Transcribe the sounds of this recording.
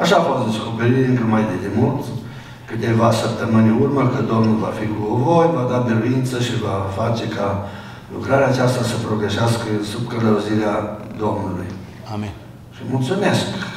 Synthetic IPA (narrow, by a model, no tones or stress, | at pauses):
aʃaːfo̞st̪d̪e̞sko̞pe̞ɾit̪ɨnk̪ɾəmajd̪ed̪emult̪ | kɨt̪e̞vasəp̚t̪əmɨnʲurməkɨd̪o̞mnulvafikuvo̞jvad̪ad̪eɾuint̪səʃivafat͡ʃe̞ka | lṵkɾaɾeaːt͡ʃast̪asəpɾo̞ɡɾeʃeaskəsubkələuziɾead̪o̞mnuluj | ʃimult̪sume̞sk